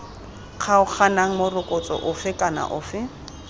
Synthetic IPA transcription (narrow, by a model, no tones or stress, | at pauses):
q͡χʰaʊk͡xʰanaŋ̩mʊrʊkʼʊt͡sʼɔ̰ʔʊfɪkʼana̰ʔʊːfɪ